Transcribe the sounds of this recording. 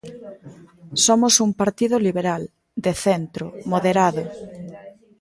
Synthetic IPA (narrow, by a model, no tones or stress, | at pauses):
somosumpaɾt̪iðoliβeɾal | d̪eθent̪ɾʊmoðeɾaðʊ